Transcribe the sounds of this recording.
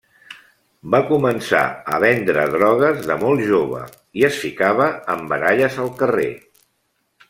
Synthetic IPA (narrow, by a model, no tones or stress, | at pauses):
bakumənsa̰əβɛnd̪ɾə̰ðɾɔɣ̞əzðəmɔlˠʒoβ̞ə̰ | iəsfikaβəːmbəɾaʎəzəlˠkərḛ